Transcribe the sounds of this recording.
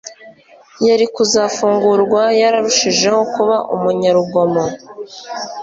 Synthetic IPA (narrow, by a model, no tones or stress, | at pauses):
jaɾikuzafuːŋɡuɾɡwajaɾaɾuʃiʒe̞ho̞kuβaʔumuɲaɾuɡo̞mo